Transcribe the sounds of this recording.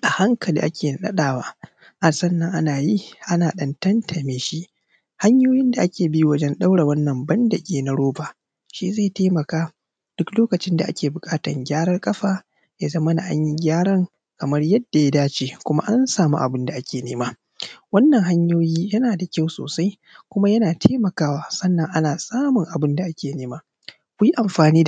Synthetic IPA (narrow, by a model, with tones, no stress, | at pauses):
ʔa˨ha˦ŋkʰɐ˨lḭ˨ʔa˦kʲʰeː˨n˨ɗɐ̰˦ɗaː˨wa̰ː˦ | ʔa˨sɐ˦nːɐ˨ŋʔa˦naː˨ji˦ʔa˦naː˨ɗɐ˦ntɐ˦ntʰɐ˨meː˦ʃi˦ʔ | ha˦ɲjoː˦jɪ˦nda˨ʔa˦kʲeː˨bi˦jwɐ˦d͡ʒɛ˦nɗa˦wɽa˨wɐ˦nːɐ˨mbɐ˦ndɐ˨ɡʲeː˦na˦ɽoː˦baː˨ | ʃi˦zeː˦˨teː˦mɐ˨kaː˦ | d̥ʊ˦kloː˦kɐ˨t͡ʃɪ˦nda˨ʔa̰˦kʲeː˨bʊ˨kʼaː˦tɐ̰˨ŋɡʲaː˦ɽɐ˦rkʼɐ˦ɸaː˨ | jaː˦zɐ˦mɐ˦na˨ʔa̰˦ɲji˦ɡʲaː˦ɽɐ˦ŋ | kɐ˨mɐ˦rjɐ˦dːa˨ja˦daː˦t͡ʃeː˨kʷʊ˦ma̰˦ʔa˦nsaː˨mṵ˦ʔa̰˨bɪ˦nda˨ʔa˦kʲeː˨neː˦maː˦ | wɐ˦nːɐ˨ŋɦa˦ɲjoː˦jiː˦jɐ˦naː˨da˨kʲa˦˨wso̰ː˨sa˦j | kʷʊ˦ma˦jɐ˦naː˨tʰeː˦mɐ˨kaː˦waː˦sɐ˦nːɐ˨ŋʔa˦naː˨sʼaː˦mʊ˨ŋʔa˨bɪ˦nda˨ʔa˦kʲʰeː˨neː˦maː˦ | kʷʊ˦ji˦ʔa˨mɸaː˨niː˦da˨